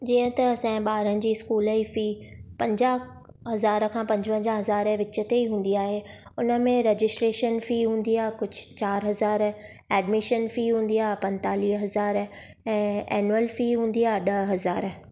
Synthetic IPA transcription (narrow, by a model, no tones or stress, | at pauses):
d͡ʑiːə̃t̪ɐsɛ̃ːɓaːɾənɪ̆d͡ʑiːɪskuːləifiːpɐ̃ɲd͡ʑa | ɦɐzaːɾkʰãːpɐ̃ɲd͡ʑə̃ɲd͡ʑaɦɐzaːɾ̃ʋɪt͡ɕət̪eiɦũːn̆d̪iaːɦe | ʊnə̆mẽɾeːd͡ʑɪsʈɾeːʃənfiːɦũːn̆d̪iaːɦkʊd͡ʑʱʊ̥t͡ɕaːɾɦɐzaːɾ | ɛːɖmɪʃənfiːɦũːnd̪iaːɦpɐ̃nt̪aːliːɦɦɐzaːɾ | ɛ̃ːɛːnuəlfiɦũːn̆d̪iaːɦɪɗɐɦɐzaːɾ